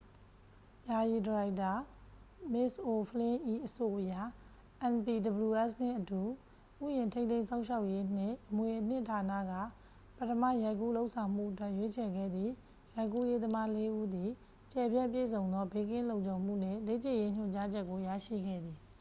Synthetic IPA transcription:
ja˨ji˨dəɹa˨ɪta˨ | mɪ˦˨sʔo˨pʰəlɪ̃˦ʔi˦˨ʔəso˨ʔəja˦˨ | ʔɛ̃˨npi˨də˨bəlu˨ʔɛ˦˨sn̥ɪ̰̃˦˨ʔətu˨ | ʔṵ˦˨jɪ̃˨ntʰẽ˦t̪̬ẽ˦ɪ̃sʰã˦ʊ̃ʃa˦ʊʔje˦n̥ɪ̰̃˦˨ʔəmwe˨ʔən̥ɪ̰̃˦˨tʰa˨nä̰˦˨ɡä̰˦˨ | pətʰəma̰˦˨ja˨ɪ̃kṵ˦˨lo˦ʊʔsʰã˨ʊ̃m̥ṵ˦˨ʔətwɛ˦ʔje˦t͡ɕʰɛ˨ɡɛ̰˦˨d̪ði˦˨ | ja˨ɪ̃k̬ṵ˦˨je˦d̪əma˦le˦ʔu˦d̪i˨ | t͡ɕɛ˨bjã˦˨pjḛ˦˨sʰõ˨ʊ̃nd̪ɔ˦be˦kɪ̃˦˨lõ˨ʊ̃ɲt͡ɕõ˨ʊ̃m̥ṵ˦˨n̥ɪ̰̃˦˨le˦t͡ɕɪ̃˦˨je˦ɲ̥ʊ̰̃˦˨ɲt͡ɕa˦d͡ʑɛ˦kːo˨ja̰˦˨ʃḭ˦˨ɡɛ̰˦˨d̪ði˨

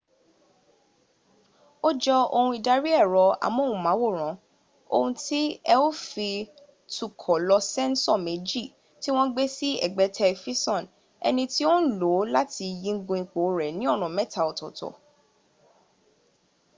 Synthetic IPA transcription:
o˦d͡ʒɔ˧o˧hũ˧i˨da˧ɾi˦ɛ˦˨ɾɔ˧a̰˨mɔ̃˦hũ˨˦mã˨˦wo˦˨ɾ̃ã˨˦ | o̰˧hũ˧ti˦ɛ˧o˦fi˧ | tu˦˨kʰɔ˨lɔ˧sɛ̃˦n˦sɔ˦˨me˨˦d͡ʒi˦˨ | ti˦w̃ɔ̃˦ɡ͡be˦si˦ɛ̰˨ɡ͡bɛ˨˦tʰɛ˧fi˦sɔ̃˦˨n | ɛ̰˧nĩ˧ti˦o˦˨lo˨˦la˦ti˧jĩ˧ŋ̩˦ɡũ˧i˨k͡po˨˦ɾɛ˨nĩ˦ɔ˦˨nɔ̃˨mɛ̃˦˨ta˦˨ɔ˨tɔ˨tɔ̰˨

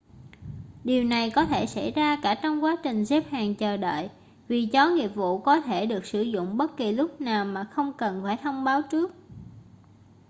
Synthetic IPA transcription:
ɗi˨˩əwna˨˩jkɔ˨˦t̪ʰe˧˩sa̰˧˩jzaː˧kaː˧˩t͡ɕɔ˧wŋ͡mkwaː˨˦t͡ɕï˨˩ŋ̟ze˦˥p̚haː˨˩ŋt͡ɕəː˨˩ɗə̰ː˧˨j | vi˨˩t͡ɕɔ˨˦ŋi˨˩əp̚vṵ˧˨kɔ˨˦t̪ʰe˧˩ɗɨ˨˩ək̚sɨ˧˩zʊ̰˧˨ŋ͡mɓə˦˥t̚ki˨˩lʊ˦˥k͡p̚naː˨˩wmaː˨˩xə˧wŋ͡mkə˨˩nfaː˧˩jt̪ʰə˧wŋ͡mɓaː˨˦wt͡ɕɨ˦˥ək̚

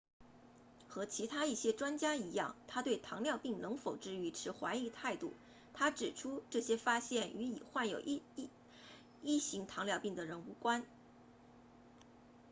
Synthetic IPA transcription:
xɤ˧˥t͡ɕʰi˧˥t̪ʰa˥i˥˩ɕjɛ˥ʈ͡ʂwa˥nt͡ɕja˥i˧˥jɑ̰˥˩ŋt̪ʰa˥t̪we˥˩ɪt̪ʰɑ˧˥ŋljɑ˥˧ʊpi˥˩ŋnɤ˧˥ŋfo˨˩ʊʈ͡ʂɻ̩˥˧y˧˥ʈ͡ʂʰɻ̩˧˥xwa˧˥ɪi˧˥t̪ʰa˥˧ɪt̪ṵ˥˩ | t̪ʰa˥ʈ͡ʂɻ̩˨˩ʈ͡ʂʰu˥ʈ͡ʂɤ˥˩ɕjɛ˥fa˥ɕjɛ˥˩nʔy˧˥ḭ˨˩xwa˥˩njo˨˩ʊʔ | i˥˩ɕi˧˥ŋt̪ʰɑ˧˥ŋljɑ˥˧ʊpi˥˩ŋd̪ə˩ɻə˧˥nu˧˥kwa˥n

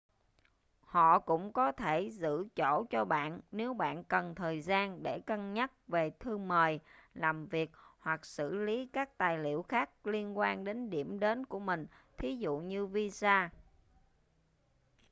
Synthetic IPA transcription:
hɔ̰˧˨kʊ̰˧˥ŋ͡mkɔ˨˦t̪ʰe˧˩zɨ̰˧˥t͡ɕo̰˧˩t͡ɕɔ˧ɓa̰ː˧˨nne˨˦wɓa̰ː˧˨nkə˨˩nt̪ʰəː˨˩jzaː˧nɗe˧˩kə˧nɲə˦˥t̚ve˨˩t̪ʰɨ˧məː˨˩jlaː˨˩mvi˨˩ək̚hwa˨˩k̚sɨ̰˧˩˨li˨˦kaː˦˥k̚t̪aː˨˩jlḭ˧˨əwxaː˦˥k̚li˧ənkwaː˧nɗe˨˦nɗi˧˩əmɗe˨˦nku˧˩əmï˨˩ŋ̟t̪ʰi˨˦zṵ˧˨ɲɨ˧vi˧zaː˧

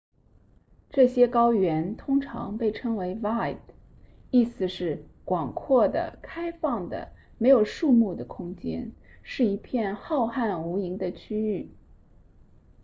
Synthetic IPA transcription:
ʈ͡ʂɤ˥˩ɕjɛ˥kɑ˥ʊɥɛ˧˥nt̪ʰʊ˥ŋʈ͡ʂʰɑ̰˧˥ŋpe˥˩ɪʈ͡ʂʰɤ˥ŋwe˧˥ɪva˥˩ɪd̪ | i˥˩sɹ̩˧˩ʂɻ̩˥˩kwɑ˨˩ŋkʰwɔ˥˩d̪ə̰˩kʰa˥ɪfɑ˥˩ŋd̪ə̰˩ | me˧˥ɪjo˨˩ʊʂu˥˧mu˥˩d̪ə˩kʰʊ˥ŋt͡ɕjɛ̰˥nʂɻ̩˥˩i˧˥pʰjɛ˥˧nxɑ˥˧ʊxa˥˩nu˧˥i˧˥ŋd̪ə˧t͡ɕʰy˥y˥˩

